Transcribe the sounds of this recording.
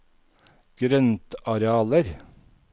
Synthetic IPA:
ɡ̥ɾœnt̪ɑɾeɑːləɾ

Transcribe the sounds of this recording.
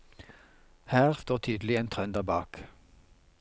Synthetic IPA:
hæːʁst̪oːt̪ʰyːd̪lɪeːnt̪ʰʁœnd̪æːbɑːk

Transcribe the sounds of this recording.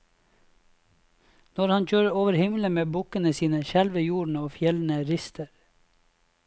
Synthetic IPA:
nɔɾhɑnc͡çøːɹəoːʋəɾhɪmlənmeːbʊkənəsiːnəʃælʋəjuːɳ̩əoːfjɛln̩əɾɪst̪ʰəɾ

